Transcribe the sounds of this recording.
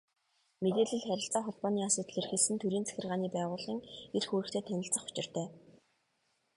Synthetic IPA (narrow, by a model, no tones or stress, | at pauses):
met̪eːɮɘ̆ɮχæɾʲɪ̆ɬt͡saːχɔɮpɔːniːasʊːt̪̆ɮerxĕɮsɘ̆nt̪ʰuɾiːnt͡sʰæ̥xʲɪ̆rʁaːniːpæːʁʊːɮĭːŋerxuːɾɘ̆kt̪ʰeːt̪ʰænʲɪ̆ɬt͡sə̆χʊ̥t͡ɕɪ̆r̥t̪ʰæː